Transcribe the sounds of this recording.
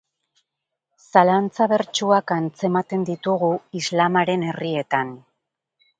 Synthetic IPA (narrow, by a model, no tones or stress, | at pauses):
salant͡saβe̞ɾt͡ʃuakant͡se̞mat̪e̞nd̪it̪uɣuizlamaɾe̞ne̞rie̞t̪an